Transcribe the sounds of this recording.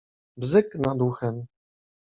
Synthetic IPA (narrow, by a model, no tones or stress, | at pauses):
vzɘknad̪uxɛm